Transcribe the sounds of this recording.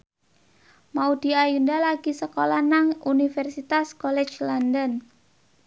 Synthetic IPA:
maud̪̥i̤ajundalaɡ̥isəkolanaŋunifɛrsit̪askolɛ̥t͡ʃlandən

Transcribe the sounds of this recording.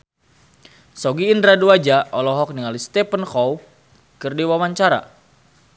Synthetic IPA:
sɔɡiːndɾaduad͡ʒaʔɔlɔɦɔk̚niŋalist̪ɛpənxɔw | kərdiwawaɲt͡ʃaɾa̰

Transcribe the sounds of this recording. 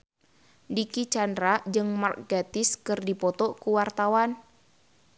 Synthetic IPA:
dikit͡ʃandɾad͡ʒɨŋmarkɡat̪ɪskɨrdipɔt̪ɔkuwart̪awan

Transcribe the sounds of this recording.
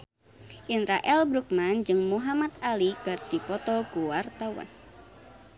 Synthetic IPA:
ʔinɾaʔɛlbɾuk̚mand͡ʒɨŋmuɦamat̪alikɨrd̪̥ipɔt̪ɔkuwart̪awa̰n

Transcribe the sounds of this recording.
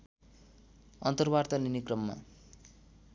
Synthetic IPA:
ʌnt̪ʌrbart̪aninikrʌmːa̰

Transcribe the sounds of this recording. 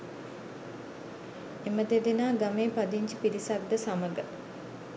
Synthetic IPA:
eməd̪ed̪enaːɡameːpad̪iɲt͡ʃəpiɾisak̚d̪əsaməɡə

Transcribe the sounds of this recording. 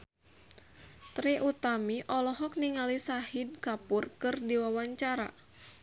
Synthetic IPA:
t̪ɾiʔut̪amiʔɔlɔɦɔk̚niŋalisahid̚kapʊrkɨrdiwawaɲt͡ʃaɾa̰

